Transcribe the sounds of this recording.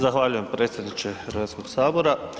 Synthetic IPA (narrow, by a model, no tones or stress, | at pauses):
zaxʋaːʎuje̞mpɾe̞ːt̪sʲjed̪nit͡ɕe̞eɾʋet̪skoɡ̥saːbo̞ɾa